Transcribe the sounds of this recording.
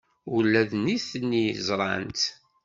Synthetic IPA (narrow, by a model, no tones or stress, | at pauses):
ulːæðniθənːizˤɾˤɑ̰nt̪